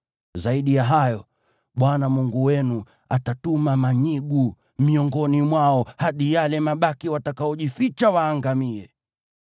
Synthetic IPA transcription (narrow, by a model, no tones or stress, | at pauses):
zaiɗijaɦajɔ | ɓwanamuŋɡuwɛnu | atatumamaɲiɠu | miɔŋɡɔnimwaɔhaɗijalɛmaɓakiwatakaɔʄifit͡ʃawaːŋɡamiɛ